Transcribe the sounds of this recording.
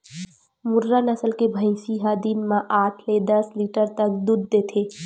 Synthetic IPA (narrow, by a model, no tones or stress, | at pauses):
mʊɾːanɐsəlkebʱə̃ɪ̃siɦaːd̪iːnmãʔaːʈʰled̪ɐsliːʈəɾt̪ɐk̚d̪uːd̪̚ːeːt̪ʰeː